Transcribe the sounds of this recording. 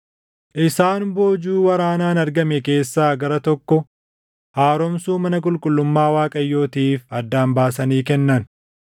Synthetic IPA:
ʔɪsaːnboːd͡ʒuːwɐɾaːnaːnɐɾɡɐmɛke̞ːsːaːɡɐɾɐt̪ɔkːɔ | haːɾɔmsuːmɐnɐkʼʊlkʼʊlːʊmːaːwaːkʼɐjːo̞ːt̪iːfɐd̪ːaːmbaːs̬ɐniːkɛnːɐn

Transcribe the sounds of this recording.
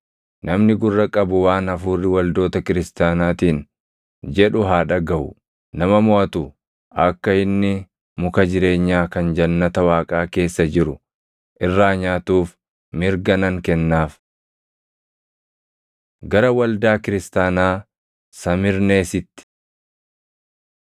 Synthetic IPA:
nʔɐmnɪɡʊrːɐkʼɐbʊwaːnɐfuːrːɪwɐld̪o̞ːt̪ɐkɪɾɪst̪aːnaːt̪iːn | d͡ʒɛᶑʊɦaːᶑɐɡɐʔʊ̰ | nɐmɐmɔʔɐt̪ʊ | ʔɐkːɐɪnːɪ | mʊkɐd͡ʒɪɾe̞ːɲːaːkɐnd͡ʒɐnːɐt̪ɐwaːkʼaːke̞ːsːɐd͡ʒɪɾʊ | ʔɪrːaːɲaːt̪uːf | mɪɾɡɐnɐŋkɛnːaːf | ɡɐɾɐwɐld̪aːkɪɾɪst̪aːnaː | sɐmɪɾne̞ːsɪt̪ːɪ̥

